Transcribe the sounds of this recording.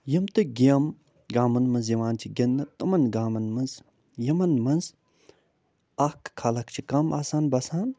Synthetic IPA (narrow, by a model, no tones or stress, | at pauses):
jɐmt̪ɨɡɐm | ɡaːmɐnmɐnz̬jɐʋaːnt͡ʃʰiɡʲɐnːɐt̪ɐmɐnɡaːmɐnmɐnz | jɐmɐnmɐnz | ɐhkkʰːaːlɐkt͡ʃʰikɐmʔaːsaːnbɐsaːn